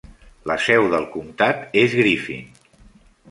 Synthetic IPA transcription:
ləsɛwðəlˠkumt̪at̪ezɣɾifḭn

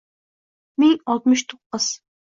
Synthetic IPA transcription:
mɪŋɑlˠt̪̚mɨʃt̪ʰoqːəz̥

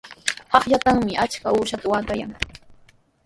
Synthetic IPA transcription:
hɑχʎat̪aŋmɪʔat͡ʃkauːʃat̪awaːt̪aja̰ŋ

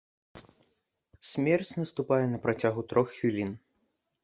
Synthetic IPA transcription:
sʲmʲɛrt͡sʲnɐst̪upajɛnɐpɾat͡sʲaɣut̪ɾɔxːʲilʲin

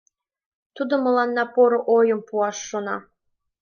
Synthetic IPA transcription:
t̪ʰud̪əmɤlˠɑnːɑpoɾɤ̆ʔojəmpuɑʂːonɑ̰

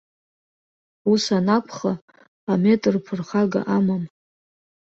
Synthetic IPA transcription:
usanapʷʰχa | ame̞tʼrpʰɨrχaɡa̰ʔamam

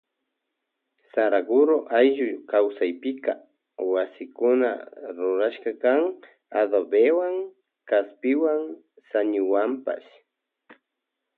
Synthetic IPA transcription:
saɾaɡʊɾoʔajʒʊjkawsajpɪka | wasɪkʊna̰ɾʊɾaʃkɑkaŋ | aðobewaŋ | kaspɪwaŋ | saɲʊwampa̰s

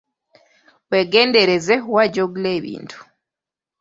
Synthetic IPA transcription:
weɡeːndeɾezewaɟoɡuleːβḭːntʰu̥

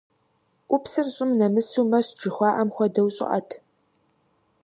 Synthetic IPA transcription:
ʔʷʊpsɨrɕʼɪmnɐmɨsuːmɐɕd͡ʒɪxʷɑːʔɐmxʷɔdɐwɕʼɪ̰ʔɐ̰tʰ

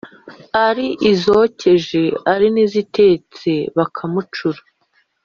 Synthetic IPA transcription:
aɾiʔizoce̞ʒe̞aɾinizite̞t͡se̞βakʰamut͡ʃuɾa

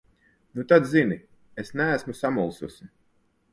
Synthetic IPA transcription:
nut̪ad̪zini | esnæːsmusamulˠsusi

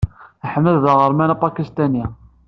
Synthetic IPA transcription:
æħəmːəððəʁəɾˤmænæpɑkist̪æni

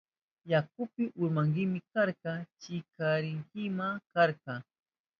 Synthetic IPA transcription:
jakʊpɪʔʊɾmaŋɢɪmɪkaɾkɑt͡ʃɪkaɾɪŋkɪmakaɾkɑ

